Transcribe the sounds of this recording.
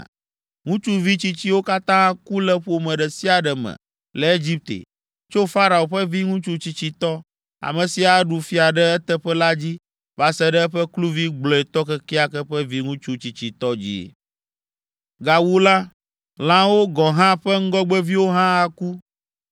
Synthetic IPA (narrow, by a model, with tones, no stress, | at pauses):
ŋũ˦t͡ʃu˦vi˦t͡ɕi˦t͡ɕi˦wo˦ka˦t̪ã˦a˦ku˦lɛ˦ɸo˨mɛ̃˨ɖɛ˨si˦a˨ɖɛ˨mɛ̰̃˨ | lɛ˨e˦d͡ʑi˦p̚t̪ḛ˨ | t͡ʃo˦fa˦ɾa˨o˨ɸɛ˦vi˦ŋũ˦t͡ʃu˦t͡ɕi˨t͡ɕi˨t̪ɔ˦ | a̰˨mɛ̃˨si˨a˨ɖu˨fi˦a˨ɖɛ˦ɛ˦t̪ɛ˦ɸɛ˦la˦d͡ʑi˦ | va˨sɛ˦ɖɛ˦ɛ˦ɸɛ˦klu˦vi˦ɡ͡blɔ˨ɛ˨t̪ɔ˦kɛ˦ki˦a˦kɛ˦ɸɛ˦vi˦ŋũ˦t͡ʃu˦t͡ɕi˨t͡ɕi˨t̪ɔ˦d͡ʑḭ˦˨ | ɡa˨wu˦la˦ | lã˦wo˦ɡɔ˨ɦã˦ɸɛ˦ŋ̩˦ɡɔ˦ɡ͡bɛ˦vi˦wo˦ɦã˦a˨ku˦